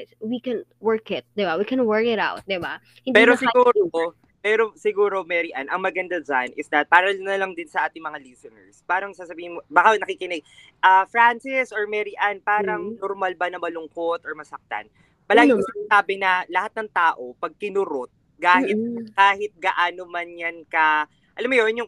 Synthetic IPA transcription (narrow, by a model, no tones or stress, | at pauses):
wikɛnwɛɹkɪt̪̚d̪ɪbawikɛ̃nwɜɹkɪɾa̰wt̪̚d̪ɪba | hɪ̃ndpɛːɾosɪɡuːɾo | pɛːɾosɪɡuːɾo̞mɛɾɪʔanɐŋmɐɡɐnd̪ad͡ʒanʔɪsd̪ɐt̪̚paːɾɐnɐlɐŋd̪ɪnsɐʔaːt̪ɪŋmɐŋalisonɛ̰ɹspaːɾɐŋsaːsɐbiːhɪnmobakanɐkikɪnɪɡ | ʔɐfɾansɪsoɹmɛɾɪʔanpaːɾɐŋnoɾmalbɐnɐmɐlʊŋkot̪ʔɔɹmɐsɐk̚t̪a̰n | pɐlaːɡɪʊsɪnɐsaːbɪnɐlɐhat̪̚nɐŋt̪aːʔo̞pɐɡ̚kɪnʊɾot̪̚ | kaːhɪt̪̚kaːhɪt̪̚ɡɐʔaːnomɐnjankɐ | ʔɐlamojonjʊŋ